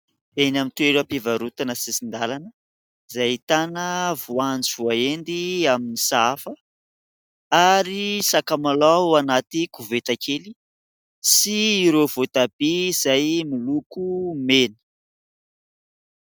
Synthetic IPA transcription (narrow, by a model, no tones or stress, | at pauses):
enamint̪ueɾapivaɾut̪anəsisind̪alanə | zajt̪anəvuand͡ʒivuaend̪iaminisafə | aɾisakamalawanat̪ikuvet̪akʰeli | siːɾovot̪ab̥izajmilukumenə̥